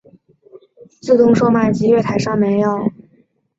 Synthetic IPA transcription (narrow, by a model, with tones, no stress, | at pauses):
t͡sɹ̩˥˩t̪ʊ˥ŋʂo˥˧ʊma˥˩ɪt͡ɕi˧˥ɥɛ˥˩t̪ʰa˧˥ɪʂɑ˥˩ŋme˧˥ɪjo˥˩ʊ